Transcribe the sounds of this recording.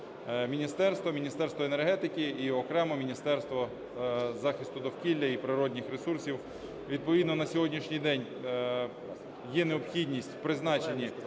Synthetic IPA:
mʲinʲist̪ɛrst̪ʋɔmʲinʲist̪ɛrst̪ʋɔenerɦɛt̪ɪkʲɪːɔkɾɛmɔmʲinʲist̪ɛrst̪ʋɔ | zɑxɪst̪ʊd̪ɔwkʲilʲːɐipɾɪɾɔdʲnʲɪxɾesursʲiw | ʋʲid̪̚pɔʋʲid̪nɔnɐsʲɔɦɔdʲnʲiʃnʲɪjd̪ɛnʲ | jɛneɔpxʲidʲnʲisʲtʲpɾɪznɑt͡ʃenʲi

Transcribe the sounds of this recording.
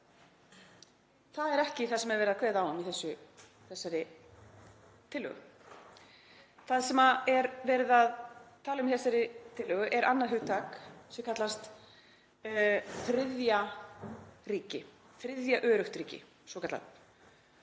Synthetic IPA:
θaðɛɾɛhcɪθaðsɛmɛɾvɛːɾɪðakʰvɛːðaːwamiθɛsːʏ | θɛsːaɾɪ | t̪ʰɪlːœ̰ɣʏ̰ | θaðsɛmaɛɾvɛːɾɪðaðt̪ʰaːlaʏmiθɛsːaɾɪt̪ʰɪlːœɣʏʔɛɾʔa̰nːaðɦʏːt̪ʰaksɛkʰat̪last̪ | fɾɪðja | ɾiːcɪ | θɾɪðjaʔœːɾʏxt̪ɾiːcɪ̰ | svɔkʰat̪la̰t

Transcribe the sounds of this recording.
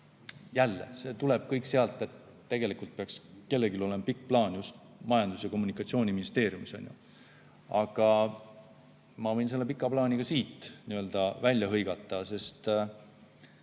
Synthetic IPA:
jælːe̞̰se̞ːt̪ule̞b̥̚kɤjkse̞ɑlt̪ːˑe̞t̪ː | e̞ɡ̥elikult̪̚peɑkske̞lːe̞ɡilo̞le̞mpikːplɑːnjust̪ | mɑjɑnd̪usjɑko̞mːunikːˑɑt̪sio̞ːnʲiminist̪eːɾjumisɑ̰nʲjṵ | ɑɡ̥ɑ | mɑvɤ̞jnse̞lːe̞p̬ikːˑɑplɑːnʲiɡ̥ɑsiːt̪ːˑniø̞ld̪̥ɑvælʲjɑɦɤjɡ̥ɑt̪ːˑɑse̞st̪

